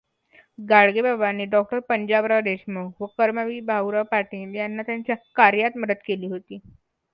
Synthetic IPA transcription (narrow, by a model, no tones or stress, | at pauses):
ɡaɭɡebabanːiːɖɔk̚ʈəɾpəɲd͡ʑabɾad̪eɕməɡʋəkəɾməʋiːbʱawɾapaʈiːnjanːat̪jaɲt͡ɕjakaɾjat̪məd̪əd̪keliːɦot̪iː